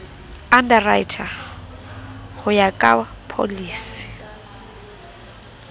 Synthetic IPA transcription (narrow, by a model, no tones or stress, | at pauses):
andaraitʰa | hʊjakʼapʰo̰liːsi̥